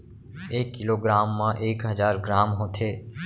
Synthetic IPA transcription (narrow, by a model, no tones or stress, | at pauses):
eːkːɪloːɡɾaːmːãːʔeːkɦəzaːɾɡɾaːmɦoːt̪ʰeː